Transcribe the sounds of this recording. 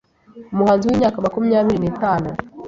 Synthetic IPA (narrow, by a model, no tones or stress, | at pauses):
umuhanziwiɲaːkamakumiɲaːβiɾinetaːno